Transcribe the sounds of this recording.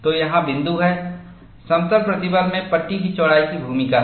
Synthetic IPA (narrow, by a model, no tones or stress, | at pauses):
t̪ojɐɦãbɪ̃nd̪uɦɛː | sɐmt̪əɾpɾɐt̪ɪbəɾmẽpɐʈːikit͡ʃoːɽaːikibʱuːmɪka